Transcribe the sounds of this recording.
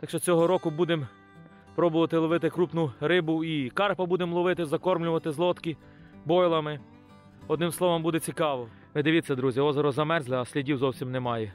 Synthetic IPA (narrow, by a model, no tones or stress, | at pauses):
t̪ɑkʃt͡ʃɔt͡sʲɔɦɔɾɔkʊbud̪em | pɾɔbʊʋɐt̪ɪlˠɔʋɪt̪ɪkɾupnʊɾɪbʊikɑrpɐbud̪emlˠɔʋɪt̪ɪzɐkɔrmlʲʊʋɐt̪ɪzlˠɔt̪ki | bɔjlˠɐmɪ | ɔd̪nɪmslˠɔʋɐmbud̪ɛt͡sʲikɑʋɔ | ʋɪd̪ɪʋʲit̪ʲsʲɐd̪ɾuzʲiɔzɐɾɔzɐmɛrzlˠɪɐsʲlʲidʲiwzɔwsʲimnemɑjɛ